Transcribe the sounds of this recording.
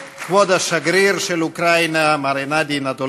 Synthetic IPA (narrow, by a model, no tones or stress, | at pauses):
kvɔd̪aʃaɡɾiɾselukɾajnamaɾenad̪inat̪o